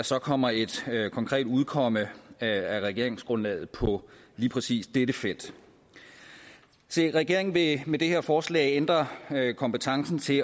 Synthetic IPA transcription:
sɒ̽kʰɒ̽m̰ɐe̝d̥kʰɒ̽ŋkʰʁɛ̰ːd̥uð̞ˠkʰɒ̽m̰əæʁɛɡ̥e̝ɐeŋsɡ̥ʁɔ̽nlɛ̰ːð̩ˠpʰɒ̽liːpʰʁɛsḭːsd̥eɾ̥əfel̰d̥ | seʁɛɡ̥e̝ɐeŋnʋe̝med̥e̝heɐ̰fɒːslɛ̰ːɪend̥ʁɐkʰɒ̽mpət͡sʰɑ̈ŋsn̩t͡sʰe̝

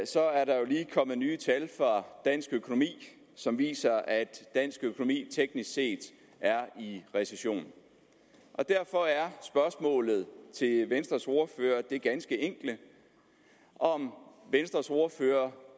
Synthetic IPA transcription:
sɒ̽æɐɾɑ̈jo̝liːkʰɒ̽m̰ð̩ˠnyːt͡sʰælfʁɑ̈d̥æn̰sɡ̥økʰo̝nomḭː | sɒ̽mʋḭːsɐæd̥ːæn̰sɡ̥økʰo̝no̝mḭːt͡sʰeɡ̥nisɡ̥se̝̰ːd̥ | æɐiʁɛseɕo̝̰ːnn̩ | ʔɒ̽d̥æɐ̰fɒ̽æɐsb̥ɶɐsmɔ̰̽ːlð̞̩ˠt͡sʰe̝lʋensd̥ʁɐso̝ɐfø̰ːɐd̥e̝ɡ̥ænsɡ̥əeŋ̰ɡ̥lə | ʔɒ̽mʋensd̥ʁɐso̝ɐføːɐ

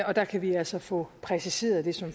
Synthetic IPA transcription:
ɒ̽d̥ɑ̈kʰæʋiælsɒ̽fɔ̰̽pʰʁɛsise̝̰ːɐðˠd̥e̝sɒ̽m

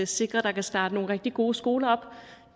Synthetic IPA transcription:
ese̝ɡ̥ʁɐd̥ɑ̈kʰæsd̥ɑ̈ːd̥əno̝ːn̩ʁɛɡ̥d̥iɡ̥o̝ːsɡ̥o̝ːlɐɒ̽b̥

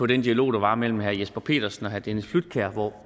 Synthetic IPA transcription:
pʰɒ̽d̥end̥iælo̝̰ːd̥ɑ̈ʋɑ̈mel̰m̩ɦæɐ̰jesb̥ɐpʰe̝̰ːd̥ɐsn̩ɒ̽ɦæɐd̥enəflud̥̚kʰæɐ̰ʋɒ

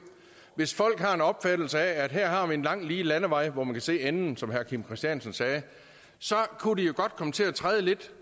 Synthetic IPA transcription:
ʋe̝sfɒ̽l̰ɡ̥hɑ̈e̝nɒ̽b̥fæd̥l̩səææd̥ɦæɐ̰ɦɑ̈ʋie̝nlɑ̈ŋ̰liːlænəʋɑ̈ɪ̰ʋɒmænkʰæse̝̰ːenn̩sɒ̽mɦæɐkʰimkʰʁɛsd̥jænsən̩sɛː | sɒ̽kʰudijo̝ɡ̥ɒ̽d̥̚kʰɒ̽mət͡sʰe̝læt͡sʰʁaːð̞ˠle̝d̥

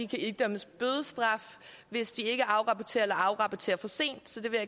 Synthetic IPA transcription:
ikʰæyɡ̚d̥œm̰əsb̥øð̞ˠəsd̥ʁɑ̈f | ʋe̝sd̥ie̝ɡ̥əʔɑ̈ʊʁɑ̈pɒt͡sʰe̝̰ːɐelɐɑ̈ʊʁɑ̈pʰɒt͡sʰe̝̰ːɐfɒ̽se̝̰ːnd̥sɒ̽d̥e̝ʋe̝

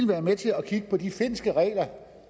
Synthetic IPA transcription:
lʋæːɐmet͡sʰe̝ɒkʰiɡ̥əpʰɒ̽d̥ife̝n̰sɡ̥əʁɛ̰ːlɐ

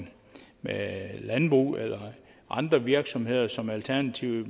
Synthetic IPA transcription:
melænb̥ʁṵːelɐ | ʔɑ̈nd̥ʁɐʋiɐɡ̥sɒ̽mhe̝ð̞̰ˠɐsɒ̽mælt͡sʰæɐnæt͡sʰiʊ̰

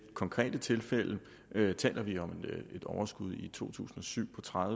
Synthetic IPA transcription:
kʰɒ̽ŋkʰʁɛ̰ːd̥ət͡sʰe̝lfel̰ə | t͡sʰɛ̰ːlʔɐʋiɒ̽me̝d̥ɒʊɐsɡ̥uð̞ˠit͡sʰo̝̰ːt͡sʰṵːsn̩ɒ̽syʊ̰pʰɒ̽t͡sʰʁað

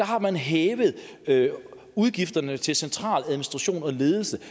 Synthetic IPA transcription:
ɑ̈hɑ̈mænɦeːʋəð̞̩ˠ | uð̞ˠɡ̥ifd̥ɐnət͡sʰe̝lsent͡sʰʁɑ̰̈ːlæðˠminisd̥ʁɑ̈ɕo̝̰ːnɒ̽le̝ːð̞ˠl̩sə

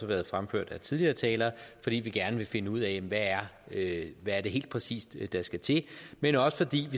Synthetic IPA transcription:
ɑʋæɐð̞̩ˠfʁamfø̰ɐ̰d̥æt͡sʰiðˠliɐːt͡sʰɛːlɐːfɒ̽d̥ɾḭːʋiɡ̥æɐnəʋe̝fe̝nəuð̰ˠɛjem̩ʋææɐøʋæɐd̥e̝ɦe̝̰ːld̥̚pʰʁɛsḭːsd̥d̥ɑ̈sɡ̥æt͡sʰe̝menɒ̽sə̥fɒ̽d̥ḭːʋi

